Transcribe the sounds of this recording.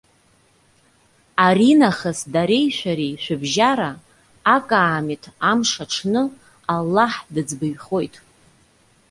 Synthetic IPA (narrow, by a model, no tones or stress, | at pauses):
aɾinaχəsdaɾe̞jʃʷᶣaɾiʃʷᶣɨbʒaɾaː | kʼaːmitʼʰamʂaʈ͡ʂʰnɨ | alːaħdɨd͡zbɨjχo̞jtʼ